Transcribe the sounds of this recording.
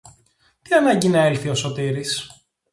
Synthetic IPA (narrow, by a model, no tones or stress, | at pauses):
t̪iɐnɐɲɟinɐelθio̞so̞t̪iɾis